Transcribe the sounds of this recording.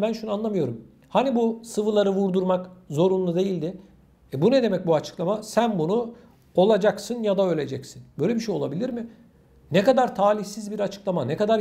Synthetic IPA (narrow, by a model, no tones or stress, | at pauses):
bænʃunanlˠamɯjo̞ɾum | hanibusɯvɯlˠaɾɯvuɾd̪uɾmakzo̞ɾunlˠud̪e̞jilʲd̪ɪ | ɛbunɛd̪e̞mɛc̚buat͡ʃʰɯ̥klˠamasænbunu | o̞lˠad͡ʒaksɯnjad̪aølʲe̞d͡ʒɛcsinbø̞jlʲebiʃejo̞lˠabilʲiɾmɪ | nɛkad̪aɾt̪ʰaːlʲiçsizbiɾat͡ʃʰɯ̥klˠamanekad̪aɾ